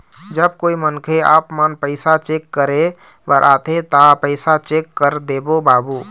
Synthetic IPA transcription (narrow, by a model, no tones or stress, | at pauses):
d͡ʒəb̚koːimənkʰea̰ːpmənpəɪsat͡ʃeːkːəɾe | bəɾʔaːt̪ʰet̪apəɪsat͡ʃeːkːəɾd̪ebobaːbuː